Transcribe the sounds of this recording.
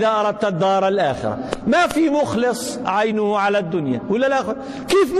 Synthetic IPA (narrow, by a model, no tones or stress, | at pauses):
ðaʔɑɾˤɑd̪̚t̪ad̪ːɑːɾˤalʔaːxɪ̰ɾa̰mafimʊxlɨsˤ | ʕajnʊhʕalad̪ːʊnja̰wɪlːalʔaxwa | keːfm